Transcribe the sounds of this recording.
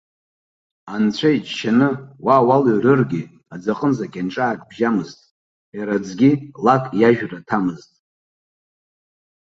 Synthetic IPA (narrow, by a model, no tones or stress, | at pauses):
ant͡sʷʰajt͡ʃʃanɨwaːwaloɥrɨrɡʲi | ad͡zaqʼənzakʲʼanʈ͡ʂʼaːkʼbʒamɨztʼ | jaɾad͡zɡʲilakʼjaʒᶣratʰamɨztʼ